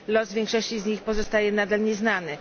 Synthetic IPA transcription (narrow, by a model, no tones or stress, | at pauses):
lɔzvʲjɛŋkʂɔɕt͡ɕizɲixpɔzɔst̪ajɛnad̪alɲɛznanɘ